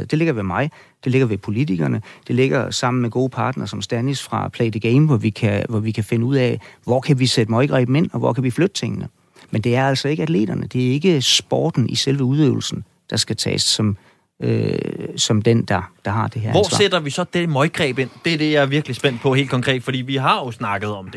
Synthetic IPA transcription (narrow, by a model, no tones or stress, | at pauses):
d̥e̝le̝ɡ̥ɐʋe̝mɑ̈ɪd̥e̝le̝ɡ̥ɐʋe̝pʰo̝lit͡sʰiɡ̥ɐnəd̥e̝le̝ɡ̥ɐsɑ̈m̰n̩meɡ̥o̝ːpʰɑ̈ːd̥nɐsɒ̽msd̥ænisfʁɑ̈pʰlɛɪd̥əɡ̥eɪmʋɒʋikʰæʋɒʋikʰæfe̝nəuð̞̰ˠɛ̰ʋɒkʰæʋised̥əmɒ̽ɪɡ̥ʁɛ̰ːb̥m̩e̝n̰ɒ̽ʋɒ̰kʰæʋiflød̥ət͡sʰe̝ŋ̰ənə | mend̥e̝æɐæl̰sɒ̽e̝ɡ̥əæd̥le̝̰ːd̥ɐnəd̥e̝æɐe̝ɡ̥əsb̥ɒ̰ːd̥n̩ʔiselʋəuð̞ˠø̰ʊl̩sn̩ | d̥ɑ̈sɡ̥æt͡sʰɛ̰ːsːɒ̽m | øsɒ̽md̥end̥ɑ̈d̥ɑ̈ɦɑ̈d̥e̝heɐ̰ɒ̰ssed̥ɐʋisɒ̽d̥emɒɪɡ̥ʁɛːb̥e̝n̰d̥e̝ɐd̥e̝jɑ̈æɐʋiɐɡ̥lisb̥en̰d̥̚pʰɒ̽ɦe̝̰ld̥kʰɒ̽ŋkʰʁɛ̰ːd̥fɒd̥ḭːʋiɦɑ̈jo̝snɑ̈ɡ̥ð̞̩ˠɒ̽md̥e̝